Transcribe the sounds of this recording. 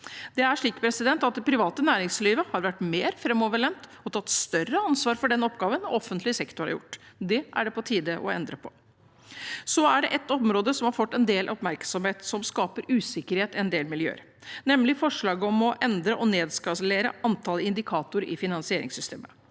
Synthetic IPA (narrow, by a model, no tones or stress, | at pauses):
d̪̥ɛæʂɭiːkpʰɾɛsɪd̪ɛnt̪ɑt̪̚d̪ɛpʰɾɪʋɑːt̪ənæːɾɪŋsliːʋəhɑɾʋæʈːmeːɾfɾɛmɔʋəɭɛnt̪ɔt̪ʰɑt̪ːst̪œrəɑnsʋɑːɾfɔɖɛnɔpɡɑːʋənɔɔfːənt̪lɪsɛkt̪ʊɾɑ̰jʊ̰ʈːd̪ɛʔæ̰ɖɛpɔt̪ʰiːd̪əʔɔ̰ɛ̰nd̪ɾəpʰɔ | sɔæɖɛʔɛt̪ɔmɾoːd̪əsɔmhɑɾfɔt̪ːɛnd̪eːlʔɔpmæɾksɔmheːt̪sɔmskɑːpəɾʉːsɪkəɾheːt̪ɛnd̪eːlmɪljø̰ːə̰ɾ | nɛmlɪfɔʂɭɑːɡəɔmɔʔɛnd̪ɾəʔɔneːd̪skɑsəleːɾə̰ʔɑnt̪ʰɑləɪnd̪ɪkʰɑːt̪ʊɾɪ̰fɪnɑnsɪeːɾɪ̰ŋsʏst̪ʰḛːmə